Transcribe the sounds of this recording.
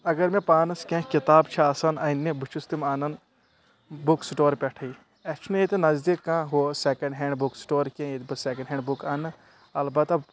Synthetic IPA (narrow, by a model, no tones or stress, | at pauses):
ɐɡɐɾmẽpaːnɨskẽkit̪aːbt͡ʃʰiaːsɐnɐinːẽbut͡ʃʰust̪imaːnɐn | buksʈoːɾpʲɛʈʰɐi | ɛt͡ʃʰnet̪enɐzd̪ikːãːɦoːsekɐ̃ɳɖɦeɳɖbuksʈoːɾkẽet̪bɨsekɐ̃ɳɖɦẽːɳɖbukanɨ | ɐlbɐt̪ɐ